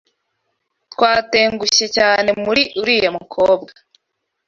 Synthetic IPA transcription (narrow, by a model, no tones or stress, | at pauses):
twaːte̞ːŋɡuɕe̞caːne̞muɾiʔuɾiːjemukʰoːbɡa